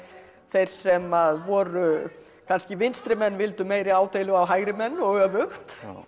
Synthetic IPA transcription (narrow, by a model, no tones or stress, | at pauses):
θejɾ̥sɛmaðvɔːɾʏ | kʰanscɪvɪnst̪ɾɪmɛnːvɪlt̪ʏmeːjɾɪaːwt̪ejlʏawɦaːjɣɾɪmɛnːɔɣœːvʏxt̪